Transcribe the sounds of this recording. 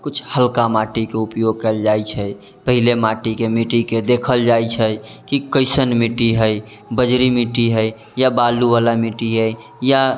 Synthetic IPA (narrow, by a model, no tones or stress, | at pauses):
kut͡ʃʰhəlkamaʈikeupjoɡ̚kəld͡ʒajt͡ʃʰəj | pəɦilemaʈikemiʈiked̪ekʰəld͡ʒajt͡ʃʰəkikəɪsənmiʈiɦəj | bəd͡ʒɾimiʈiɦəj | jabaluʋalamiʈiɦəj | ja